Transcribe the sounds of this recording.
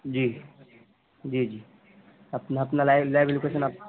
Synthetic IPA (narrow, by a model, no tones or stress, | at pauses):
d͡ʒi | d͡ʒid͡ʒi | əpnəpnalajlaɪbelukesənap̚